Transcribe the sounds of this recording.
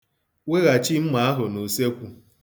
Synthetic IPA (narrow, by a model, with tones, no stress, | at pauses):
we˦ɣa˨t͡ʃi˦m̩˦ma˨˦a˦ɦʊ˨no˨se˦kʷu˦